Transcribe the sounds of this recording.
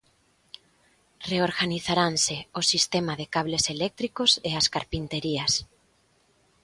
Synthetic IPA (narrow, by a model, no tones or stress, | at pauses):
reoɾɣaniθaɾanseosist̪emaðekaβleselɛk̚t̪ɾikoseaskaɾpint̪eɾiɐs